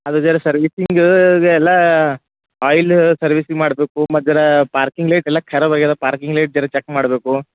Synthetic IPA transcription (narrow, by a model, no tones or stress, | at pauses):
ɐd̪usɐɾɐsɐɾʋisiŋɡɡeɛlːaː | aːjlsɐɾʋisiŋmaːɽɐbeːkumɐd̪ɐɾɐpaːɾkiŋɡleːʈɛlːaːkʰɛɾɐbɐɡed̪ɐpaːɾkiŋɡleːʈ̚d͡ʒɐɾɐt͡ʃɛkmaːɽɐbeːku